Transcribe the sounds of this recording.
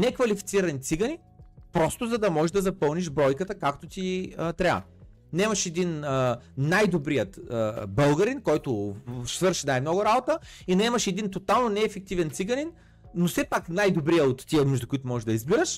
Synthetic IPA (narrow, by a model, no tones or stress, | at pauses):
nɛkvɐlifit̪siɾɐnit̪siɡɐni | pɾɔst̪ʊzɐd̪ɐmɔʒɛʒd̪ɐzɐpɤlˠniʃbɾɔjkət̪əkakt̪ot̪iət̪ɾa̰ | nɐɛmɐʃɛd̪inənajd̪obɾijət̪əbɤlˠɡɐɾinkɔjt̪ʊsvɤɾʃinajmnɔɡʊɾabot̪əinɐɛmɐʃɛd̪int̪ot̪alˠnonɛːfɛk̚t̪ivɛnt̪siɡɐninː | ofsɛpaknajd̪obɾiɐot̪ːiəmɛʒd̪okʊit̪ʊmɔʒɛʒd̪ɐizbiɾəʃ